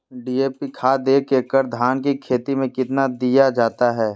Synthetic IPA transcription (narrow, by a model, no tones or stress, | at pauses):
ɖiːeːpikʰaːd̪eːkʰːekəɾd̪ʱaːnk̬ikʰeːt̪imẽkɪt̪nad̪ijad͡ʒaːt̪aɦɛː